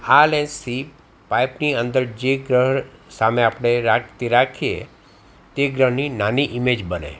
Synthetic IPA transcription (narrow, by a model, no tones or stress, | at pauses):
alẽnsʰi | pajpniənd̪əɾd͡ʒeɡɾəɦsameapɽ̃eɾakt̪iɾakʰiḛ | t̪eɡɾəɦninaniʔimed͡ʒbənḛ